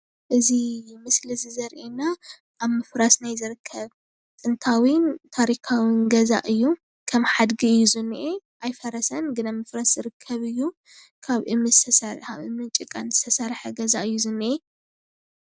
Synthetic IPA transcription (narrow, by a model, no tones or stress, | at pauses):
ʔɨzimɨslizɨzɐɾʔena | ʔːβmɨfɾasnajzɨɾɨkʰːɐβ | t̪ʼɨnt̪ʰawint̪ʰaɾikʰawinɡɐza̰ʔɨjːu | kʰɐmħad̪ɡiɨjːuzɨnːʔeʔajfɐɾɐsɐnɡɨnamɨfɾasz̥ɨɾɨkʰːɐβɨjːu | kʰaβʔɨmɨzɨt̪ʰɐsɐkʰaβɨmɨnt͡ʃʼɨkʼːanzɨ̥st̪ʰɐsɐɾħɐɡɐzaʔɨjːuzɨnːɨʔe